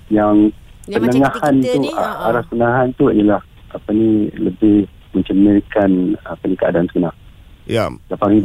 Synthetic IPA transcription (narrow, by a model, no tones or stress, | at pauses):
jaŋpənəŋãhant̪ṵa̰ɾaspənəŋaɦant̪uḭjalah | ʔapaniləbɪh | mə̃ɲt͡ʃənəkanapənikəa̰daansəɡənaŋ | lapaɾi